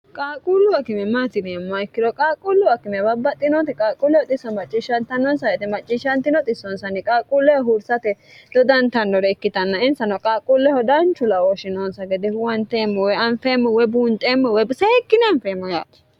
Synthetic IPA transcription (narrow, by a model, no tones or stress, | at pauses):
kʼaːkʼulːʊwɐkɪmɛmːat̪ɪnɛmːaɪkːɪd̪ɔkʼaːkʼʊlːʊwɐkɪmɛbɐbːɐt̪ʼːɪnɔt̪ɛkʼaːkʼʊlːɛɔt̪ʼɪsːɔmɐt͡ʃʼːɪʃɐnt̪ɐnɔnsɐjɛt̪ɛmɐt͡ʃʼːɪʃɐnt̪ɪnɔt̪ʼɪsːɔnsɐnɪkʼaːkʼulːɛwɔɦuɾsɐt̪ɛd̪̥ɔd̪ɐnt̪ɐndɔɾɛɪkːɪt̪ɐnːɐɪnsɐnɔkʼaːkʼulːɛhɔd̪ɐnt͡ʃːʊlɐwɔʃɪnɔnsɐɡɛd̪ɛhʊwɐnt̪eːmːɔwɔɐnfeːmːɔwɔbuːnt̪ʼeːmːɔwɛjbsɛkːɪnɛɐɱfeːmːɔja̰ːt̪ɛ̥